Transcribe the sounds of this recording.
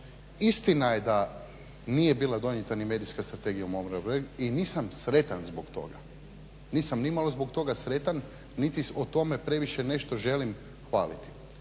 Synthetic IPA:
ist̪inajed̪a | nijebiːlˠad̪o̞njet̪anime̞ːd̪ijskast̪ɾat̪e̞ɡijaumomɾabɾeɡiniːsamsɾe̞t̪anzbokt̪o̞̰ɡa̰ | niːsamnimalˠo̞zbokt̪o̞ɡasɾe̞t̪anː | it̪iot̪o̞me̞pɾe̞ʋiʃene̞ʃt̪o̞ʒe̞lim | xʋaːlit̪i̥

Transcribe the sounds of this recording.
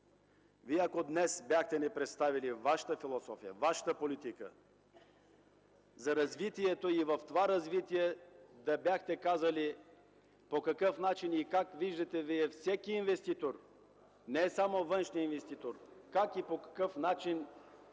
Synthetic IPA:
viɛɐkod̪nɛsbjaxt̪ɛnɛpɾɛt̪st̪avilivaʃə̥t̪əfilˠosɔfijə̰vaʃə̥t̪əpolit̪ikə̰ | zɐɾɐzvit̪iɛt̪oivɐft̪ovaɾɐzvit̪iɛd̪ɐbjaxt̪ɛkazɐli | pokɐkəfnat͡ʃinikakviʒd̪ɐt̪ɛviɛfsɛkiːnvɛst̪it̪oɾ | nɛsamovənʃniinvɛst̪it̪oɾkakipokɐ̥kɤfnat͡ʃin

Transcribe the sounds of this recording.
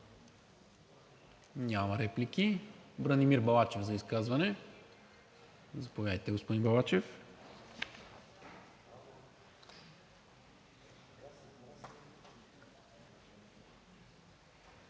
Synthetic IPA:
nʲamɐɾɛplikibɾənimiɾbɐlˠat͡ʃɛvzɐiskazvɐnɛ | zɐpovjad̪əjt̪ɛɡospod̪inbɐlˠat͡ʃɛf

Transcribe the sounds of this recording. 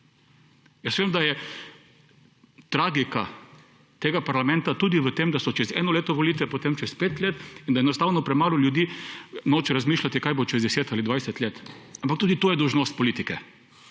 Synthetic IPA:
jəsʋeːmd̪ajɛ | t̪ɾaːɡika | t̪eːɡapaɾlamɛ̃nt̪at̪uːd̪iʋət̪emd̪asɔt͡ʃɛzɛ̰nɔleːt̪ɔʋɔlit̪ʋɛpot̪emt͡ʃɛspeːt̪leːt̪ind̪ajɛnɔst̪aːwnɔpɾɛmaːlɔljud̪iːnoːt͡ʃɾazmiːʃlat̪ikajbot͡ʃɛzd̪ɛseːt̪alid̪ʋajsɛt̪leːt̪ampak̚t̪uːd̪it̪ojɛd̪ɔwʒnoːst̪̚pɔliːt̪ikɛ

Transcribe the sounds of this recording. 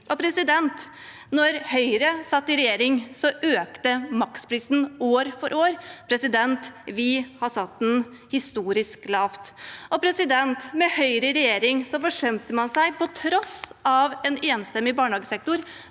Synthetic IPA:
ʔɔpʰɾɛsɪd̪ɛnt̪ | nɔɾhœʏɾəsɑt̪ːɪɾɛjeːɾɪŋsɔʔøːkt̪əmɑkspʰɾiːsn̩oːɾfɔɾʔoːɾpʰɾɛsɪd̪ɛnt̪ʋɪhɑsɑt̪ːɛn | hɪst̪uːɾɪsklɑːft̪ɔpʰɾɛsɪd̪ɛnt̪mɛhœʏɾəɪɾɛjeːɾɪŋsɔfɔʂɛmt̪əmɑnsæɪpɔt̪ʰɾɔsɑʋɛneːnst̪ɛmːɪbɑːɳɑːɡəsɛk̚t̪ʊɾ

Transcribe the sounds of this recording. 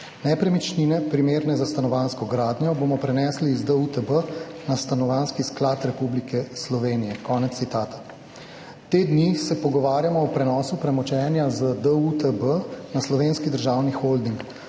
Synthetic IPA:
nɛpɾɛmit͡ʃninɛpɾimeːɾnɛzast̪anɔʋanskɔɡɾaːd̪njɔbomɔpɾɛnɛːslizd̪əut̪əbənast̪anɔʋaːnskisklat̪ɾɛpublikɛslɔʋeːnijɛkɔːnɛt̪ːit̪aːt̪ḁ | t̪eːd̪nisɛpɔɡɔʋaːɾjamɔɔpɾɛnɔːsupɾɛmɔt͡ʃɛːnjazəd̪əut̪əbənaslɔʋeːnskid̪əɾʒaːwnixold̪iŋk

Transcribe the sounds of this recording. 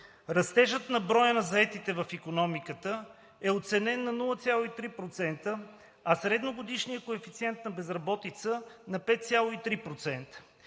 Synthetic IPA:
ɾɐst̪ɛʒət̪nɐbɾɔjənɐzɐɛt̪it̪ɛvɐfikonɔmikət̪ə | ɛot̪sɛnɛnːɐnulˠət̪sʲjalˠoit̪ɾipɾot̪sɛnt̪ə | ɐsɾɛd̪noɡod̪iʃnijəkoɛfit̪siɛnt̪nɐbɛzɾɐbɔt̪it̪sənɐpɛt̪̚t̪sʲjalˠoit̪ɾipɾot̪sɛnt̪ə̥

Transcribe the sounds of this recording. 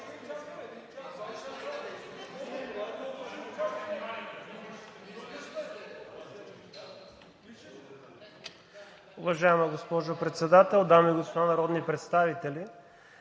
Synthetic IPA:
ʊvɐʒaɛmaɡospɔʒopɾɛt̪sɛd̪at̪ɛlˠd̪amiɡospod̪anɐɾɔd̪nipɾɛt̪st̪avit̪ɛli

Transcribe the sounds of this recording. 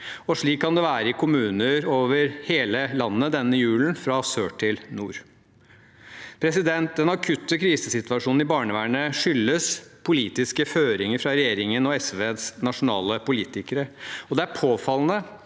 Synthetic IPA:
ɔʂɭiːkʰːɑnd̪ɛʋæːɾəɪkʰʊmʉːnəɾoːʋəɾheːləlɑnːəd̪ɛnːəjʉːln̩fɾɑsøːʈʰɪlnṵːɾ | pʰɾɛsɪd̪ɛnt̪̚d̪ɛnɑkʰʉt̪ːəkʰɾiːsəsɪt̪ʋɑʂuːnn̩ɪbɑːɳəʋæːɳəʂʏlːəspʰʊliːt̪ɪskəføːɾɪŋəɾfɾɑɾɛjeːɾɪŋənɔɛsʋeːt̪snɑʂʊnɑ̰ːləpʊliːt̪ɪkəɾəɔd̪ɛæɾpʰoːfɑln̩ə

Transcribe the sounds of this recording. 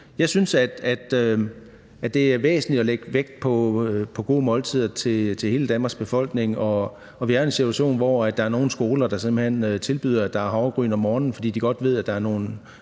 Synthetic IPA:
jɑ̈ɪsynsæd̥æd̥ø | æ̥e̝æɐʋḛːsn̩lid̥ɒleɡ̥ʋeɡ̥pʰɒ̽pʰɒ̽ɡ̥o̝ːmɒ̽lt͡sʰið̰ˠɐt͡sʰe̝t͡sʰe̝he̝ːləd̥ænmɑ̈ɡ̥sb̥e̝fɒ̽l̰ɡ̥ne̝ŋʔɒ̽ | ɒ̽ʋiæɐe̝nsit͡sʰuæɕo̝̰ːnʋɒæd̥ɑ̈æɐno̝ːn̩sɡ̥o̝ːlɐd̥ɑ̈semb̥l̩hen̰øt͡sʰe̝lb̥y̰ð̞̰ˠɐæd̥ɑ̈æɐɦɑ̈ʊɡ̥ʁy̰ːnɒ̽mːɒːnn̩fɒ̽d̥ḭːd̥iɡ̥ɒ̽d̥ʋe̝ð̞̰ˠæd̥ɑ̈æɐno̝ːn̩

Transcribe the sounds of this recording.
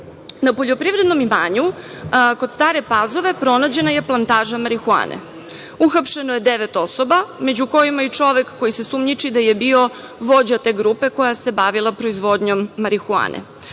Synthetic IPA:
napo̞ʎo̞pɾiʋɾed̪no̞mimaːɲu | ko̞d̪st̪aːɾe̞pazo̞ʋe̞pɾo̞nad͡ʑe̞naje̞plˠant̪aːʒamaɾixua̰ːnḛ | uxapʃe̞noje̞d̪eʋe̞t̪o̞so̞bamed͡ʑuko̞jimait͡ʂo̞ʋe̞kːojisesumɲit͡ʃid̪aje̞bio̞ | ʋo̞d͡ʑat̪e̞ːɡɾuːpe̞ko̞jase̞baʋilˠapɾo̞izʋo̞d̪ɲo̞mːaɾixua̰ːnʔḛ

